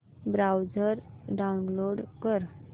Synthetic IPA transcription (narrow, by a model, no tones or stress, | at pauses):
bɾawd͡zəɾɖaunloɽkəɾ